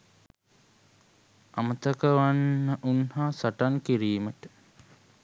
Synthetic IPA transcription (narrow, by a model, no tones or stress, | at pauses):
amət̪əkəʋanːəʔunhaːsaʈankiɾiːməʈə̥